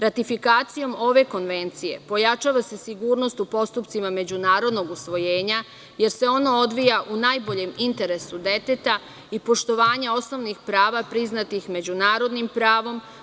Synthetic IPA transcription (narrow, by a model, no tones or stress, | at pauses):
ɾat̪ifikaːt̪sijo̞mo̞ʋe̞ko̞nʋe̞nt̪sije̞̰po̞jat͡ʃaːʋase̞siɡuːɾno̞st̪upo̞st̪upt̪simame̞d͡ʑunaːɾo̞d̪no̞ɡusʋo̞jeːɲa | je̞ɾse̞o̞no̞o̞d̪ʋijaʔunajbo̞ʎe̞mint̪e̞ɾe̞sud̪e̞t̪e̞t̪a | ipo̞ʃt̪o̞ʋaːɲao̞sno̞ʋnixpɾaːʋapɾiznat̪ixme̞d͡ʒunaːɾo̞d̪nimpɾaːʋo̞m